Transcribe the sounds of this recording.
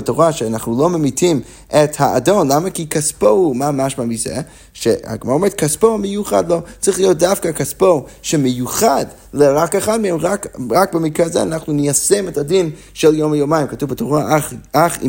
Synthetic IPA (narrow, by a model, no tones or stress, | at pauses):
atoʁaʃeanaχnulomemitʰim | ʔethaa̰do̞nlamakikaspohumamaʃmamizḛ | ʃeha̰ɡmaaometkʰaspomejuχa̰dlot͡sʁiχlijot̚dafkakaspoʃemejuχad | leʁakeχad̚mehemʁakʁak̚bemikʁezeanaχnunijasemetadin | ʃeljomajomajimkatuvbatoʁaaχ